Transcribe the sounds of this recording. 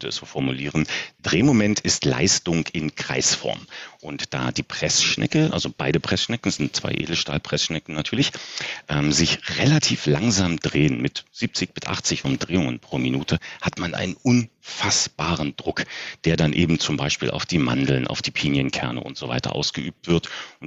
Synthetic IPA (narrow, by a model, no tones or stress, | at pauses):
œntəɛsz̥oːfɔɐmuliːʁ̞ənd̥ʁeːmomɛntʰɪstla̰ɪstʊŋɪnkʁ̥a̰ɪsfɔ̰ɐmʔʊntd̥a̰ːd̥iːpʁ̥ɛsʃnʔɛ̰kəʔa̰lzob̥aɪdəpʁ̥ɛsʃnɛkn̩z̥ɪntt͡sv̥a̰ɪʔḛːdl̩ʃtaːlpʁ̥ɛsʃnɛkn̩natʰyːɐlɪçʔɛːmzɪçʁelatʰiːflaŋzaːmd̥ʁeːənmɪtz̥iːp̚t͡sɪçb̥ɪsʔa̰χt͡sɪçʔʊmdʁeːʊŋənpʁ̥oːminuːtʰəhatmanʔa̰ɪnənʔʊnfasb̥aːʁəndʁʊkd̥eːɐdanʔeːbm̩t͡sʊmbaɪʃpḭːlʔa̰ʊfd̥iːma̰ndl̩nʔa̰ʊfd̥iːpʰiːnjənkʰɛɐnə̰ʔʊ̰ntz̥ova̰ɪtɐ̰ʔa̰ʊsɡ̥əʔyːp̚tv̥ɪɐtʊn